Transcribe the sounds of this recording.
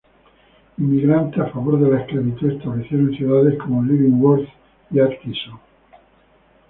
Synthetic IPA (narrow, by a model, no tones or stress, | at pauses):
imːiɣɾant̪eafaβo̞ɾðe̞laesklaβit̪uest̪aβreθjeɾonθjuðaðe̞sko̞moliβiŋwoɾθ | iakt̪iso